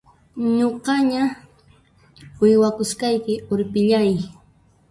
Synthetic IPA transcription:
ɲoqɑɲa | ɪjwakʊskɑjkɪʊɾpɪʎaj

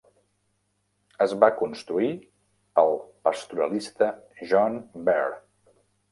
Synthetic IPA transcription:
əzβakunst̪ɾui | əlˠpəst̪uɾəlist̪əʒɔnbɛr

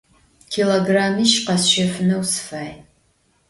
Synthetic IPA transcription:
kʰiloːɡraːmiʃqɐsʃɐfnɐwsfaːj

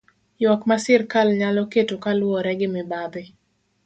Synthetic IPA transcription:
jwɔkmasɪrkalɲalɔketokalwɔɾɛɡɪmɪbad̪ɪ

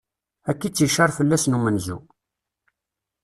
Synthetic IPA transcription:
ækːit͡sːiʃɑɾˤfəlːæsnumənzu

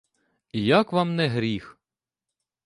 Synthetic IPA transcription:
ijakʋɑmnɛɦɾʲix

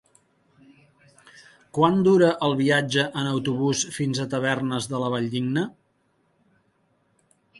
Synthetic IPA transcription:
kwand̪uɾəʔəlˠβiad͡ʒəʔənəwt̪uβusfinzət̪əβ̞ɛrnəzðələβ̞aʎd̪iɡnə

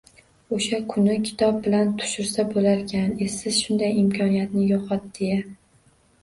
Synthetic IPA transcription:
oʃakʰʊnɪkʲʰɪ̥t̪ʰɒb̚bɪlant̪ʰʊ̥ʃɪɾsabolaɾkʲʰanesɪz̥ʃʊnd̪ajɪmkʲʰɒnijat̪nɪjoqʰɒt̪̚d̪̥eja

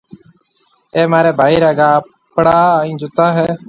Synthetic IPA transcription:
eːmaːɾeːbʱaːiːɾaːɡaː | pɽaːaːĩːd͡ʒʊt̪aːɦɛː

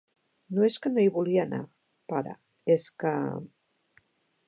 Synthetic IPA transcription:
noeskənoiβuliana̰ | paɾa̰ | eska

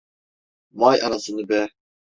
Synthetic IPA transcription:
majɑnasɯnɯbɛ

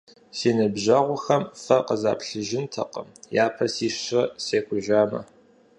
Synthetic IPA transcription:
siːnɨbʑɐʁʷʊxɐmfɐqəza̰ːpʰɬɨʒɪntʰɐ̰qə̰mjaːpʰɐsiːʂɪseːkʷʊʒaːmɐ̰

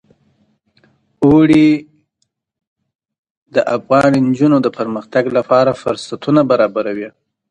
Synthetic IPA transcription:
oɽi | d̪əʔafɣɑnind͡ʒunod̪əpəɾməxt̪aɡlapɑɾafʊɾsat̪ʰunabaɾɑbaɾawi

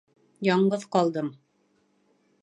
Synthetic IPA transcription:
jɒɴɢɤðqɒlˠd̪ɤm

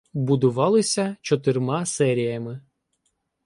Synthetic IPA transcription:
bʊd̪ʊʋɑlˠɪsʲɐt͡ʃɔt̪ɪrmɑsɛɾʲijɐmɪ

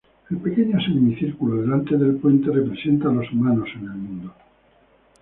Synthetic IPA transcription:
elpe̞keɲoasemimiθiɾkuloðe̞lant̪e̞ðe̞lpwe̞nt̪erepɾesent̪alozmanosene̞lmũnd̪o

